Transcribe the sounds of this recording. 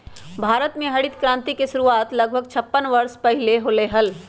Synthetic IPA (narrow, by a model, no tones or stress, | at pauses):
bʱaːɾət̪mẽɦɐɽɪt̪kɾãːnt̪ikeʃʊɾuaːt̪lɐɡ̚bʱəɡt͡ʃʰɐpːənʋɐɾspɐɦɪleɦoːleɦəl